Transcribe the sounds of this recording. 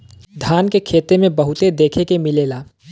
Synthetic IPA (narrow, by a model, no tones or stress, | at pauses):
d̪ʱaːnkekʰeːt̪emẽbəɦʊt̪ed̪eːkʰekemɪleːlaː